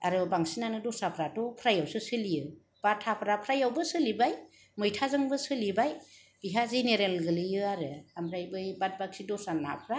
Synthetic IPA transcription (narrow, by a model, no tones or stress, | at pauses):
aɾɯbaŋsinanɯdɔsapʰɾatɔpʰɾajawsɯsɯlijɯ | b̥atʰapʰɾapʰɾajawbɯsɯlibaj | mɯjtʰazɯŋbɯsɯlibaj | b̥iɦazeneɾelɡɯlɯjɯaɾɯamɾajbɯjbat̚bak̚sidɔsana̰pʰɾa